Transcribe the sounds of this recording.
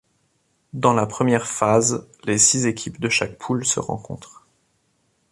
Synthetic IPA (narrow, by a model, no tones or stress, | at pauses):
d̪ɑ̃lapχəmjɛʁfazlesizekʲʰipd̪əʃak̚pʰulsə̰ʁɑ̰̃kɔ̰̃t̪χ